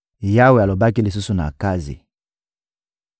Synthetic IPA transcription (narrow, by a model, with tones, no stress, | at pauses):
ja˦we˨a˨lo˨ba˦ki˦li˨s̬u˦su˨na̰˨ka˦zḭ˨